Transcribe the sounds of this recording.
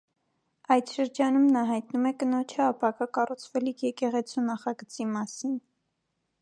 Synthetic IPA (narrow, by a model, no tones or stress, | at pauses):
ɑjd̪ʃəɾd͡ʒɑnumnɑɦɑjt̪numɛkənɔt͡ʃʰəɑpʰɑkɑkɑrut͡sʰvɛlikʰjɛkɛʁɛt͡sʰunɑχɑɡət͡simɑsin